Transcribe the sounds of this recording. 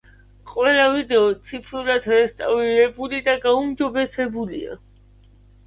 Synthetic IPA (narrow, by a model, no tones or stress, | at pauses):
qʼwɛlˠavid̪ɛɔt̪sʰipʰɾulad̪ɾɛst̪ʼavliɾɛbulid̪aɡaumd͡ʒɔbɛsɛbulḭa̰